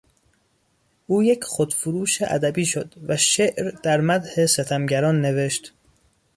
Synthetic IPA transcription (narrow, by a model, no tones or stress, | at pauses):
ʔuːjecʰxod̪̥fuɾuːʃeʔæ̰d̪æbiːʃod̪væʃeʔɾd̪̥æɾmæd̪hese̞t̪ʰæmɟæɾɒːnːe̞ve̞ʃt̪